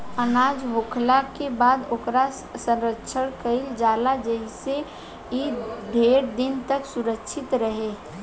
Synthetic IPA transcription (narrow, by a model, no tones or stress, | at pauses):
ənaːd͡ʒɦoːkʰlakebaːd̪okɾa | sə̃nɾətːʃʰəɽ̃kəɪld͡ʒaːlad͡ʒəɦise | id̪ʱeːɾd̪ɪnt̪əksuɾəkʃʰɪt̪ɾəɦe